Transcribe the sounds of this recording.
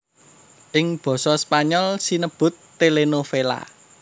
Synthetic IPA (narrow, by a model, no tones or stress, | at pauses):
ʔɪŋb̥ɔ̤sɔspaɲɔlsinəb̥ʊ̤t̪ːelenofela̰